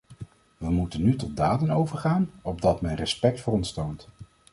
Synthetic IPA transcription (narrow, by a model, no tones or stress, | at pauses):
ʋəmutənytɔd̚daːdənowvəɹχaːnɔb̚dɑtmɛnrɛspɛk̚tfʊːrɔnstownt